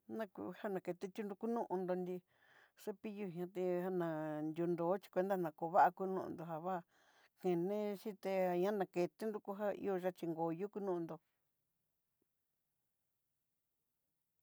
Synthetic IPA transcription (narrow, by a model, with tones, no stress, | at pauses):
nã˧kṵ˧ha˦nã˨ke˧t̪e˦t̪ʲu˦nd̪u˧ku˦nũ˦ʔũ˧nd̪o˧nd̪i˧ | ʂe˦pi˦ju˧ɦã˧˦t̪e˧ha˧nã˨nd̪ʲu˧nd̪o˨˦t͡ʃi̥˧kʷe˧nd̪a˦nã˨ko˧βa˦ʔa˧ku˦nũ˦˧ʔṵ̃˧nd̪o˧˨ɦa˧βa˦˨ | kẽ˨nẽ˦ʃĩ˦t̪e˧a˧ɲã˦nã˧ke˨˧t̪e˦nd̪u˧ku˦ɦa˦ḭ˧˦o˧ʒa˧t͡ʃi˧ŋɡo˨˧ju˦ku˧˦nũ˦ũ˧nd̪o˧